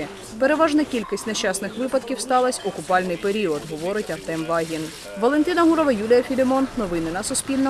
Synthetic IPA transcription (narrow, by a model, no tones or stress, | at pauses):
peɾe̞ʋɑʒnɐkʲilʲkisʲtʲneʃt͡ʃɑsnɪxʋɪpɐd̪kʲiwst̪ɑlˠɐsʲɔkʊpɑlʲnɪjpe̞ɾʲiɔd̪ɦɔʋɔɾɪtʲɐrt̪ɛmʋɑɦʲin | ʋɔlˠe̞nt̪ɪnɐɦuɾɔʋɐjulʲijɐfʲilʲɪmɔnːɔʋɪnɪnɐsʊsʲpʲilʲnɔ